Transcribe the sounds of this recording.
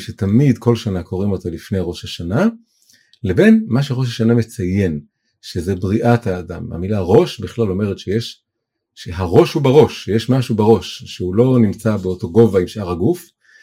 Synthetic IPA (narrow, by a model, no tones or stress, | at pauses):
ʃetamidko̞lʃanakʰo̞ʁimo̞talifnejʁo̞ʃhaʃana | lebe̞nmaʃ̬eʁo̞ʃ̬haʃaname̞t͡saje̞n | ʃezebʁiʔataːda̰ma̰milaʁo̞ʃbiχlalo̞me̞ʁetʃejeʃ | ʃeɦaʁo̞ʃhubaʁo̞ʃejeʃmaʃubeʁo̞ʃʃeulo̞nimt͡sabe̞oto̞ɡo̞vaimʃʔaʁaɡuf